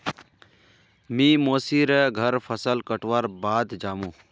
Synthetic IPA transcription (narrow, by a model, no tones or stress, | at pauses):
mĩːmoːsiɾeɡʱəɾpʰəsəlkəʈʋaːɾbaːd̪d͡ʒaːmũː